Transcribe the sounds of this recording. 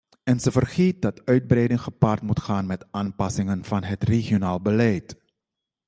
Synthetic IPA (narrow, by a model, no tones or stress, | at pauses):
ɛnzəvərχeːt̚dɑtœɥd̚brɛjdɪŋχəpaːrtmutχaːnmɛtaːnpɑsɪŋənv̥ɑnɦətreχijonaːlˠbəlɛjt